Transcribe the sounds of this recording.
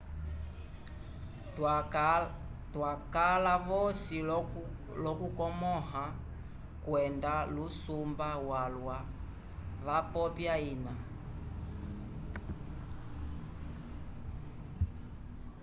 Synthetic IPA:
twakalaβɔsi | lɔkukɔmɔha | kwɛndalusumbawalwa | βapɔpjaina

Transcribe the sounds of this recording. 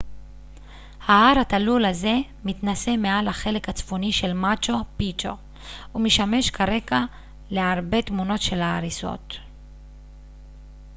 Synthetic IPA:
haaɾat̪alulaze̞ | mit̪nase̞mealaχe̞le̞khat͡sfoniʃe̞lmat͡ʃo̞pit͡ʃo̰ | umeʃame̞ʃkʰaʁe̞ɡa | le̞aʁbe̞t̪muno̞tʃe̞laːʁiso̞̰t̪

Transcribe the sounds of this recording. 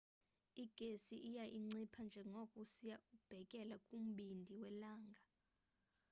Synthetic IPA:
iɡ̥ʱesiʔijaʔiŋ͡ǀipʰand͡ʒʱɛŋokʼusijaʔub̥ʱɛkʼɛlakʼum̩ɓindʱiwɛlaːŋɡʱa

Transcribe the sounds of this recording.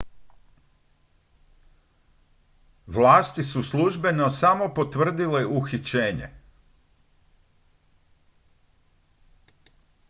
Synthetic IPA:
ʋlaːst̪isusluʒbe̞no̞samo̞po̞t̪ʋr̩d̪ileʔuxit͡ɕeːɲḛ

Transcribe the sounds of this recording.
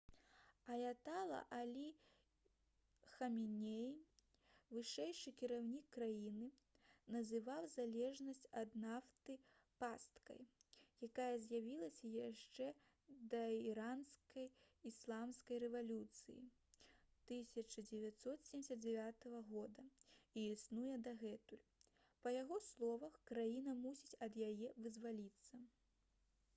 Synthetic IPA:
ɐjat̪alˠɐ̰ʔalʲi | xɐmʲinʲej | vɨʂɛjʂɨkʲiɾawnʲikːɾajinɨ | nɐzɨvawzalʲɛʐnɐsʲt͡sʲɐd̪naft̪ɨ | past̪kɐ̰jjakajɐzʲjavʲilˠɐsʲɐjaʂt͡ʂɛ | d̪ɐiɾanskɐj | islˠamskɐjrɛvalʲut̪sɨjḭ | t̪ɨsʲɐt͡ʂɨd͡zʲɛvʲat̪sɔt̪sʲeɛmdʲɛsʲɐt̪̚d͡zʲɛvʲat̪ɐɣɐɣɔd̪ɐiisnujɛd̪ɐɣɛt̪ulʲ | pɐjaɣɔslˠɔvɐxkɾajinɐmusʲit͡sʲɐd̪jajɛvɨzvalʲit̪sːɐ

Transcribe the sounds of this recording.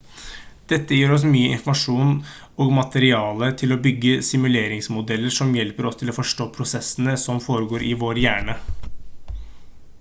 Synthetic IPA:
d̪̥ɛt̪ːəjiːɾɔs̬myːəʔɪ̰nfɔmɑʂuːn | oːɡmɑt̪əɾɪɑːlət̪ʰɪlɔbʏɡːəsɪmʉleːɾɪŋsmʊd̪ɛlːəʂɔmjɛlpəɾɔst̪ʰɪloːfɔʂʈoːpʰɾʊsɛsənəsɔmfoːɾəɡoːɾʔɪʋoːɾjæːɳə

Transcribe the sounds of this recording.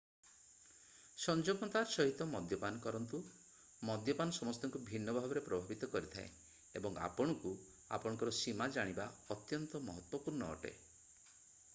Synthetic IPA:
sɔnd͡ʒɔbɔnt̪aɾsɔɦit̪ɔmɔd̪ʱjɔpanɔkɔɾɔnt̪u | mɔd̪ʱjɔpanɔsɔmɔst̪ɔŋkubʱinːɔbʱabɔɾepɾɔbʱabit̪ɔkɔɾit̪ʰae | ebɔŋa̰pɔɽ̃ɔŋku | a̰pɔɽ̃ɔ̃ŋkɔɾɔsimad͡ʒaɽ̃ibaɔt̪jɔnt̪ɔmɔɦɔt̪wɔpuɾɳɔɔ̰ʈḛ

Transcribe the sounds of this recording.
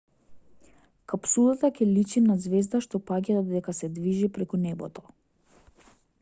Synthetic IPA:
kapsulˠat̪akʲɛlit͡ʃinazvɛzd̪aʃt̪ɔpaɟad̪d̪ɛkasɛd̪viʒipɾɛkunɛbɔ̰t̪ɔ

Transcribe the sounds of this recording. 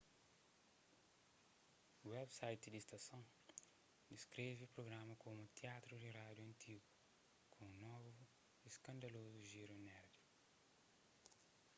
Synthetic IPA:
uwɛbsajt̪id̪ist̪ɐsõw̃ | d̪iskɾevipɾoɡɾamɐkomut̪iat̪ɾud̪irad̪juɐ̃nt̪ʰiɡu | kʰõnɔvu | eskɐ̃nd̪ɐlozuʒiɾunɛɾd̪i

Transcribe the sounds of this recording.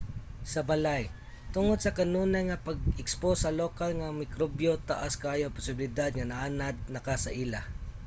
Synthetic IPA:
sɐbalaj | t̪ʊŋod̪̚sɐkɐnuːnajŋapaɡɪksposɐloːkalŋamɪkɾobjot̪aʔaskaːjopʊsɪbɪlɪd̪ad̪̚ŋanɐʔaːnad̪̚nɐkasɐʔila

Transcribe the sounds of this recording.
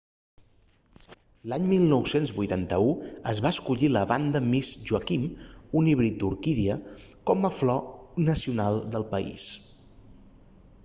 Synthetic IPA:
laɲmilˠnɔwsenzβujt̪ant̪əuəzβaəskuʎiləβand̪əmizʒuəkimuniβɾit̪̚d̪uɾkiðiə | kɔməflɔnəsiunalˠd̪əlˠpəḭs

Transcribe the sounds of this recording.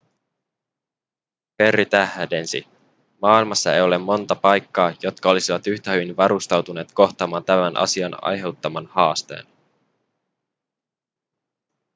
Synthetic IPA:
pe̞rːit̪æhde̞nsḭ | mɑːilmɑsːɑe̞̰jo̞lemːo̞nt̪ɑpɑjkːɑːjo̞t̪kɑo̞lisiʋɑt̪yçt̪æhyʋinʋɑɾust̪ɑwt̪une̞ːt̪ko̞ht̪ɑːmɑːnt̪æmænʔɑ̰siɑnɑ̰jɦe̞wt̪ːɑmɑnhɑːst̪e̞̰ːn

